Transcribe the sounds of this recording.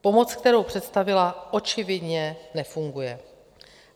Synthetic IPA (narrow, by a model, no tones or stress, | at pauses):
po̞mo̞t͡sk̚t̪ɛɾo̞wpr̝̥ɛt̪st̪avɪlaʔo̞t͡ʃɪvɪdɲɛnɛfuŋɡujɛ